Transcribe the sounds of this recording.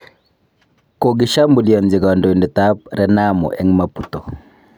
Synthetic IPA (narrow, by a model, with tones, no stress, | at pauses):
ko˨ɡɪ˨ʃa˦mbu˨lja˨nd͡ʒɪ˨ɡa˨ndɔ˨ndɪ˨ta˦p̚ɾɛ˦na˦mɔ̰˨ʔɛ̰˦ŋma˦pu˦tɔ˨